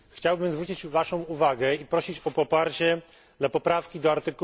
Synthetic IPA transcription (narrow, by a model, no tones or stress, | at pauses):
xt͡ɕawbɘmzvɾut͡ɕit͡ɕvaʂɔ̃w̃uvaɡɛipɾɔɕit͡ɕɔpɔpaɾt͡ɕɛ | dd̪lapɔpɾafkʲid̪ɔaɾt̪ɘk